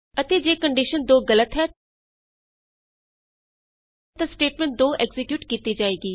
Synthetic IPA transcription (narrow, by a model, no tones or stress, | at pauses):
ət̪eːd͡ʒeːkəɳɖiʃənd̪oːɡələt̪ɦɛː | t̪asʈeːʈmɛ̃ɳʈ̚d̪oːʔeɡzɪkjuːʈkiːt̪id͡ʒaːeːɡiː